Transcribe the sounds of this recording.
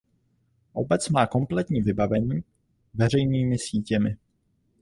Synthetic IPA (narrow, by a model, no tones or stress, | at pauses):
ʔo̞bɛt͡smaːko̞mplɛt̪ɲiːvɪbavɛɲiː | vɛrɛjniːmɪsiːcɛmɪ